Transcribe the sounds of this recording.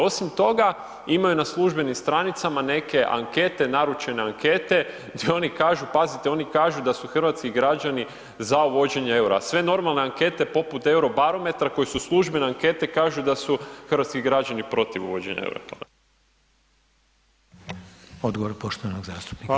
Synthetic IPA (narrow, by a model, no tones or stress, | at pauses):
o̞simt̪o̞ɡa | imajunaslˠuʒbe̞nimst̪ɾanit̪samane̞ke̞ʔa̰ŋke̞t̪e̞naɾut͡ʃe̞ne̞aŋke̞t̪e̞ | ɡ̪jeo̞nikaːʒupazit̪eo̞nikaːʒud̪asuxr̩ʋat̪skiɡɾad͡ʒani | zauʋo̞d͡ʑe̞ɲee̞wɾa̰sʋe̞no̞ɾmalˠne̞aŋke̞t̪e̞po̞put̪e̞wɾo̞baɾo̞me̞t̪ɾako̞jisuslˠuʒbe̞neaŋke̞t̪e̞kaːʒud̪asuxrʋat̪skiɡɾad͡ʑanipɾo̞t̪iʋṵʋo̞d͡ʒḛɲa̰ḛwɾo̰ | od̪ɡoʋoɾpoʃt̪oʋanoɡzaːst̪u̥pni